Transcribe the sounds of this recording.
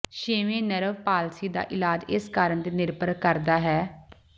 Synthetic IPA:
ʃeːʋẽːnəɾəʋpaːlsiːd̪a̰ːʔɪlaːd͡ʒɪskaːɾəɳd̪eːnɪɾpəɾəkəɾd̪aːɦɛː

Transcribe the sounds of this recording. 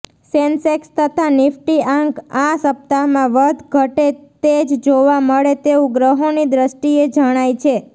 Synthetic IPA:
sensekst̪ʰət̪ʰanɪfʈiãŋɡasəp̚t̪amãʋəd̪ɡʱəʈet̪ed͡ʒd͡ʒoʋaməɭet̪eũɡɾəɦonid̪ɾəsʈied͡ʒəɽ̃ajt͡ʃʰe

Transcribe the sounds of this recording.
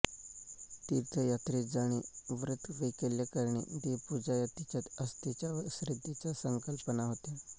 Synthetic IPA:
t̪iɾt̪ʰəjat̪ɾed͡zaɽ̃iʋɾət̪ʰʋekeljakaɾɳḭd̪epud͡zajat̪it͡ɕjat̪əst̪it͡ɕjaɕɾid̪ʱːit͡sasəŋkəlpənaɦot̪e

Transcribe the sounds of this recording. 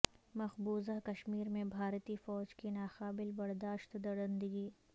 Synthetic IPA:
mɐxbuːzakɐʃmiːɾmẽbʱaːɾt̪ifɔːd͡ʒkinaːxaːbɪlbɐɾd̪aːʃt̪d̪ɐɽɐ̃nd̪əɡiː

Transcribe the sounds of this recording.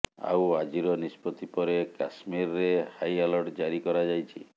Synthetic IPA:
a̰wad͡ʒiɾɔnispɔt̪ipɔɾekasmiɾɾehajalɔɾʈd͡ʒaɾikɔɾad͡ʒajt͡ʃʰḭ

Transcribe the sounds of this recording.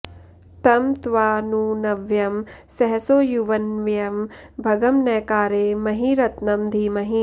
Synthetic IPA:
t̪ɐmt̪ʋaːnunɐʋjɐmsɐɦɐsoːjuʋɐnʋjɐmbʱɐɡɐmnɐkaːɾeːmɐɦiɾɐt̪nɐmd̪ʱiːmɐɦi

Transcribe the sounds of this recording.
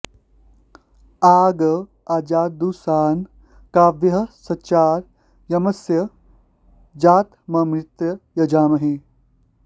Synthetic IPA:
aːɡɐ | aːd͡ʒaːd̪uːsaːn | kaːʋjɐɦɐsɐt͡ʃaːɾ | jɐmɐsjɐ | d͡ʒaːt̪mɐmɾit̪jɐjɐd͡ʒaːmɐɦi

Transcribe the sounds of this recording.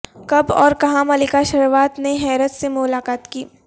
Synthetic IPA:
kɐbɔ̰ːɾkɐɦãmɐlɪkaʃɐɾʋaːt̪neɦɛːɾət̪semʊlaːkaːt̪kiː

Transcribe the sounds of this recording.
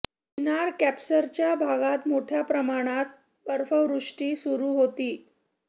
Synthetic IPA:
inaɾkæpsəɾt͡ɕjabʱaɡat̪moʈʰjapɾəmaɽ̃at̪̚ | bəɾfəʋɾuʂʈiːsuɾuːɦot̪iː

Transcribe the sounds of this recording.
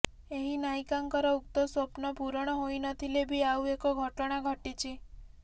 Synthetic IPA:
eɦinajkaŋkɔɾɔuk̚t̪ɔswɔpnɔpuɾɔɽ̃ɔɦojnɔt̪ʰilebʱiawekɔɡʱɔʈɔɽ̃aɡʱɔʈit͡ʃʰi

